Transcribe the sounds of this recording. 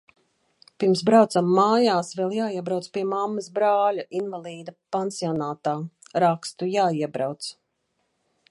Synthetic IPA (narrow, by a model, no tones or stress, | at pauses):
piɾms̬bɾawt̪samːaːjaːsvɛlˠjaːiɛbɾawt̪spiɛmamːɐsbɾaːlʲaʔinvalˠiːd̪ɐpansiɔnaːt̪aːɾakst̪ujaːiɛbɾawt̪s